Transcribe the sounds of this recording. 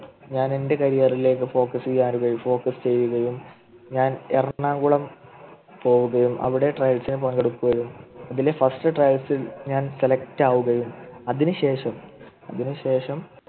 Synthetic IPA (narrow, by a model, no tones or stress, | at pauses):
ɲaːne̞nde̞kɐɾijɐrile̞ːk̬ːɨfo̞ːkːɐsiɣaːɾuɣɐjufo̞ːkːɐst͡ɕe̞jːuɣɐjum | ɲaːnerɐɳaːŋɡuɭɐm | po̞ːwuɣɐjumʔɐ̰ʋiɽe̞ʈrɐjɐlsinɨpɐŋɡɐɽukːuɣɐjumɐðilefɐsʈɨʈrɐjɐlsilɲaːnselɐktaːʋuɣɐjumɐðinɨɕe̞ːʂɐm | ɐðinuɕe̞ːʂɐm